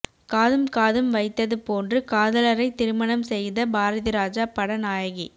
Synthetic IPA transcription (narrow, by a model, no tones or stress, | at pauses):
kaːðɯmkaːðɯmʋɐɪt̪ːɐðɯpoːndrɯkaːðɐlɐɾɐɪt̪ːɪɾɯmɐɳɐmsɛjðɐbaːɾɐðɪɾaːd͡ʒaːpɐɽɐnaːjɐɣi